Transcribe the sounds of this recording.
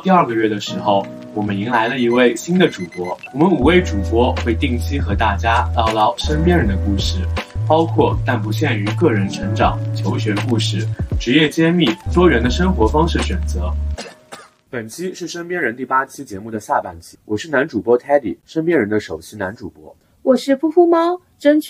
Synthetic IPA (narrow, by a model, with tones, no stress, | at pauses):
t̪i˥˧ɐə˞˥˩ɡə˧ɥɛ˥˩d̪ə˩ʂɻ̩˧˥xo˥˩ʊ | wɔ˨˩mə˦ni˧˥ŋla˧˥ɪlə˧i˧˥we˥˩ɪɕi˥nd̪ə˨ʈ͡ʂu˨˩kwɔ˧˥wwɔ˨˩mə˦nu˨˩we˥˩ɪʈ͡ʂu˨˩kwɔ˥xwe˥˧ɪt̪i˥˩ŋt͡ɕʰi˥xɤ˧˥t̪a˥˩t͡ɕja˥t̪ɑ˥˧ʊt̪ɑ˥˩ʊʂə˥npjɛ˥nɻə˧˥nd̪ə˧ku˥˧ʂɻ̩˥˩pɑ˥ʊkʰwɔ˥˧t̪a˥˩npu˧˥ɕjɛ˥˩ny˧˥kɤ˥˩ɻə˧˥nʈ͡ʂʰə˧˥ŋʈ͡ʂɑ˨˩˦ŋt͡ɕʰjo˧˥ʊɕɥɛ˧˥ku˥˧ʂɻ̩˥˩ʈ͡ʂɻ̩˧˥jɛ˥˩t͡ɕjɛ˥mi˥˩t̪wɔ˥ɻə˧˥nd̪ə˧ʂə˥ŋxwɔ˧˥fɑ˥ŋʂɻ̩˥˩ɕɥɛ˨˩nt͡sɤ˧˥ | pə˨˩nt͡ɕʰi˥ʂɻ̩˥˩ʂə˥npjɛ˥nɻə˧˥nt̪i˥˩pa˥t͡ɕʰi˥t͡ɕjɛ˧˥mu˥˩d̪ə˩ɕja˥˧pa˥˩nt͡ɕʰi˥wɔ˨˩ʂɻ̩˥˩na˧˥nʈ͡ʂu˨˩pwɔ˥t̪ʰa˥ɪt̪ḭ˨˩ʂə˥npjɛ˥nɻə˧˥nd̪ə˧ʂo˨˩ʊt͡ɕʰi˥na˧˥nʈ͡ʂu˨˩pwɔ̰˥ | wɔ˨˩ʂɻ̩˥˩fu˥˧fu˥˩mɑ˥ | ʈ͡ʂə˥nt͡ɕʰ